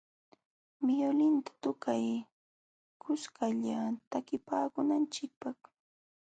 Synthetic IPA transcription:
mɪjolɪnt̪ḁt̪ʊkaj | kʊskaʎat̪akɪpaːkʊnant͡ʃɪk̚pɑχ

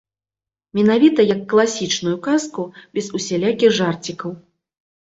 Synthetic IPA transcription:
mʲɛnavʲit̪ɐjɐkːlˠasʲit͡ʂnujukaskubʲɛzusʲɛlʲakʲiɣʐart͡sʲikɐw

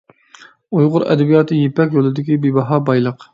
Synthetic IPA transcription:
ujʁʊɾɛ̰d̪ɛbijɑːt̪ʰɨjepɛkʲjolˠɨd̪ɪkʲibibɑɦɑbɑjlˠəq

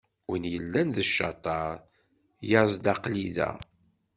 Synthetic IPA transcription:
ənjəlːænðəʃːɑt̪ˤɑɾˤ | jɑɾzˤd̪ɑqliðæ̰

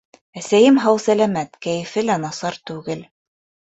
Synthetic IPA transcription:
æsæjɘmɦɤwsælæmæt̪kæjɘ̆fɘlænɑsɑɾt̪ʉɡɘl

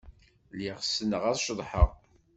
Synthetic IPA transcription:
liʁsənəʁæðˤʃðˤħəʁ

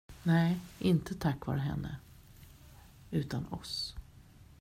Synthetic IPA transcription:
nɛːʔɪnt̪ʰət̪ʰakːvɑ̰ːɾəɦɛ̰nːə̰ | ʉ̟ːt̪anɔs

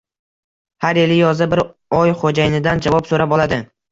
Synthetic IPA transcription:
haɾelɪjɒzɪbɪɾɒjχod͡ʒajɪnɪd̪and͡ʒavɒpsoɾabɒlˠad̪ɪ

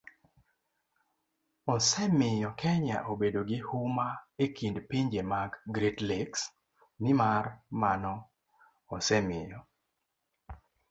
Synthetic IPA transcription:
ɔsɛmɪjɔkʰɛɲa̰ʔobedoɡɪhumaekindpiɲd͡ʒemaɡɡɾitliks | nɪmarmanɔː | sɛmɪjɔ

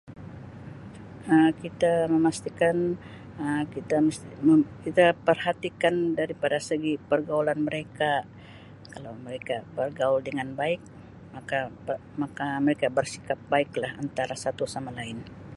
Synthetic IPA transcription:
əkit̪aməmast̪ikan | əkit̪aməəkit̪apərhat̪ikandaɾipadasəɡipərɡaulanməɾeka | kalawməɾekabərɡauldəŋanbaɪk | maka | makaməɾekabərsi̥kap̚baɪklahant̪aɾasat̪usamalaɪn

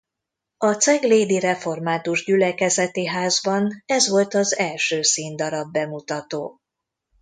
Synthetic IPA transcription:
ɒt̪sɛɡleːd̪irɛfo̞rmaːt̪uʒɟylɛkɛzɛt̪iɦaːzbɒnɛzʋo̞lt̪ɒzɛlʃøːsiːnd̪ɒɾɒbːɛmut̪ɒt̪oː

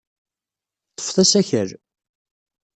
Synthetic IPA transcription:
t̪ˤːə̥fθæsæçəɾ

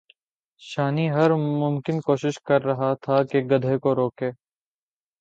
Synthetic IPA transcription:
ʃaːniɦɐɾmʊmkɪnkoːʃɪʃkɐɾːɐɦat̪ʰakeɡɐd̪ʱekoɾoːkeː

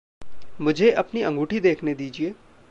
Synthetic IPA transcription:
mʊd͡ʒʱeʔɐpniɐ̃ŋɡuːʈʰid̪eːkʰned̪iːd͡ʒieː

